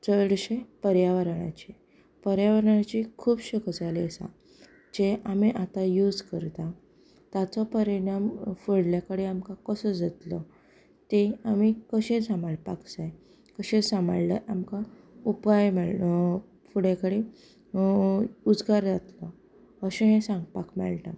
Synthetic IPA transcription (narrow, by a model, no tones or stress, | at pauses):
t͡səɽɕepəɾjaʋəɾɳ̃a̰t͡ɕe | pəɾjaʋəɾɳat͡ɕikʰuːbɕəkʰəd͡zaliəsa̰ | d͡ʑeʔamiʔat̪ajuːd͡zkəɾt̪a | t̪at͡sɔpəɾiɽ̃amfəɽljakəɽeamkakəsəd͡zat̪lɔ | t̪eamikəɕẽsamaɭpaksaj | kəɕẽsama̰ɭlə̰ʔamka | upajmɛɭ | fuɽjekəɽi | ud͡zɡaɾd͡zat̪lɔ | əɕenẽsãŋɡpakmɛ̰ɭʈa